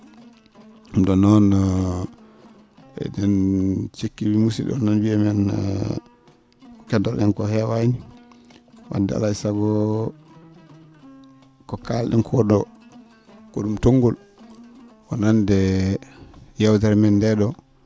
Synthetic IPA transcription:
umɗɔnɔn | ɛ̰ɗɛnt͡ʃekːibimusḭɗɔ̰nɔnbiɛmɛn | kɔkɛdɔɾɗɛnkɔhɛwani | wa̰dːɛ̰a̰laisaɡɔ | kɔkalɗɛ̰nkʰɔɗɔ | kɔɗumtoŋɡɔl | wɔnandɛ | jawt̬aɾmɛndɛɗɔ

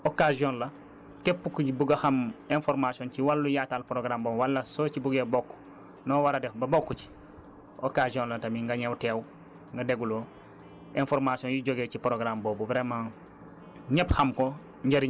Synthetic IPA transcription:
okaziɔ̃nlɐ | tepːukuibuɡɐxɐmenfoɾmasionciwalːujatalpɾoɡɾamboːwalːɐsoːcibuɡebokːu̥ | nɔːwaɾɐdebɐbokːuci̥ | okaziɔ̃nlɐtɐmiŋɡɐɲɛwteːw | ŋɡɐdeɡuloː | enfoɾmasiɔ̃njiɟoɡecipɾoɡɾamboːbubɾemãː | ɲɛpxɐmko | ɲɟɐɾi

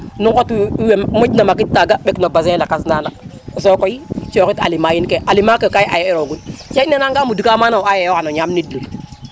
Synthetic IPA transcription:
nukotiwemod͡ʒnamakit̚tːaɡaɓeknobazelakasnana | s̬okoit͡ʃokita̰limajinkeʔalimakekajʔajeiɾoɡunt͡ʃanenaŋɡamudukamanawajejokanoɲamnidlu

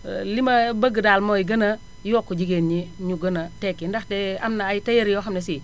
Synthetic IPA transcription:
limabɐɡədaːlmojiɡəna | jokːud͡ʒiɡenɲiɲuɡənatekːindaxtea̰mnaajitajeɾjoxamnesi

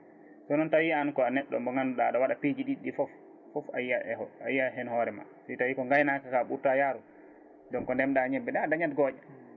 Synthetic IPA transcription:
sɔnɔntawiankɔanɛɗːɔ̰mbɔŋɡanuɗa̰ɗawaɗapid͡ʒiɗiɗifɔf | fɔfajaa̰jːaɦɛnhɔɾɛma̰sɔtawikɔŋɡajnakakaɓuɾtajaɾu | dɔnkɔndɛmɗaɲɛbːɛdɛadaɲatɡɔːd͡ʒɛ

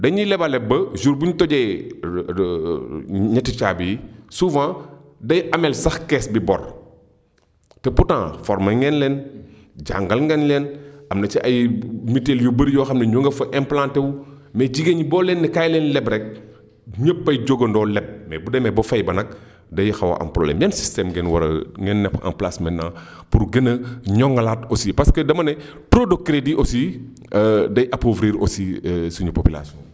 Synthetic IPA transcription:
dɐɲilɛbalɛbːɐzuɾbuɲtɔɟɛ | ɲɐtːit͡ʃaːbijisuːvãːdɐjʔɐmɛlsɐxkɛsbibɔ̰r | tɛputã̰ːfɔɾmɐŋɡɛnlɛn | ɟa̰ŋɡɐlŋɡɛnlɛnʔɐmnɐt͡ʃiʔɐjmitːeljubəɾjɔːxɐmnɐɲoŋɡɐfɐʔɛmplãntɛwu | mɛɟiɡeɲibɔːlɛnːɐkajlɛːnlɛbɾɛk̚ | ɲəpːɐjɟoɡɐndɔːlɛb̚mɛbudɐmɛbofɐjbɐnɐk̚ | dɐjixɐwɐ̰ʔɐ̰mpɾɔblɛ̰mjɐnsi̥stɛmɡenwɐɾɐ̰ŋɡɛnːɛpɐ̰mplasmɛnːa̰ː | puɾɡɐnːɐɲɔŋɡɐlaːtosipɐskɐdɐmɐnɛ | tɾodokɾediʔosi | dɐjʔɐpovɾiɾo̰sisuɲupopila̰siɔ̰̃n

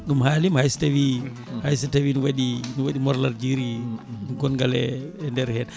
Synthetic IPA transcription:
ɗumhalimhajstewi | hajs̬atewinuwaɗinuwaɗimɔɾlaɾd͡ʒiɾiɗumkɔnɡalɛ̰ɛndɛɾhɛn

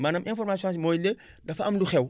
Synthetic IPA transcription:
maːnɐmʔɛ̃nfɔrmaːsiɔ̃smɔjle | dɐfɐɐmduxɛw

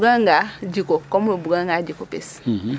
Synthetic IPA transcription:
ɡaŋɡad͡ʒikokomubuɡaŋɡaɟikopḭs

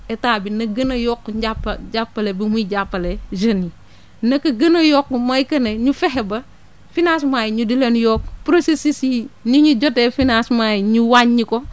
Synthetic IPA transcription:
ɛtaːbinɐɡɐnɐjɔkːɟapːɟapːɐlebimuɟapːɐleʒɐni | nɐkɐɡɐnɐjɔkːumɐjkɐneɲufɛɦebɐ | finasmaːjiɲudilenjɔːkpɾosesisinuɲuɟotefinasmajiɲuwaɲːiko

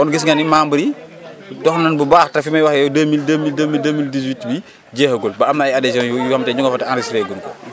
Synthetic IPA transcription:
ʔɔnɡisŋɡɐnimaːmbəɾi | dɔxnnɐnbubaːxtɐfimɐjwɐxjɔdemildemildemildemildis̬witbi | ɟɛːhɡolbɐɐmnɐɐjadɛsjɔ̃njujuhɐmtɛɲuŋɡɐfɐtɛandisɾɛːɡunkɔ

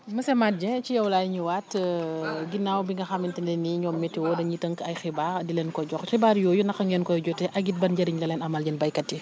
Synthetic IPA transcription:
məsɛmat̚d͡ʒɛ̃cijɐwlaːjɲuwat | ɡinːawbiŋɡɐxɐmintɛnlɛniɲɔːmːɛtːiwɔdɐɲitəŋkɐjxibaːɾdilɛnkɔɟɔxxibaːɾjɔːjunɐxɐŋɡɛnkɔjɟɔtɛʔɐɡit̚bɐnɟɐɾiɲlɐlɛnɐmɐlɟɛnbɐjkɐtːi

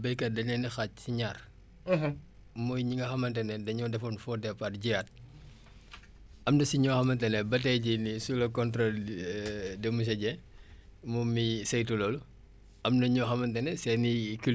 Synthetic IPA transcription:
bɐjkɐdɐɲɛnixacsiɲaːr | mɔjɲiŋɡɐxɐmɐntɛnɛdɐɲɔːdɛfɐnfɔdɛpɐtɟijat̚ | ɐmdɐsiɲɔxɐmɐntɛnɛbɐt̬ɛjɟinisulɐkɔntɾɔl | dɛmus̬ɐɟɛ | mumisɛjtulolu | ʔɐmnɐɲɔxɐmɐntɛnɛsɛnikil

